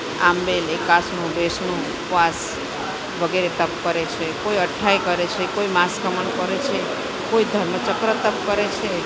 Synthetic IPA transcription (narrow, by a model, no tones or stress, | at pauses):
a̰mbelekasɳ̃ũbesɳ̃ũ | pʋas | ʋəɡeɾet̪əp̚kəɾet͡ʃʰekoiəʈʰaikəɾet͡ʃʰekoimaskəməɳkəɾet͡ʃʰe | koid̪ʱəɾmət͡ʃəkɾət̪əp̚kəɾet͡ʃʰe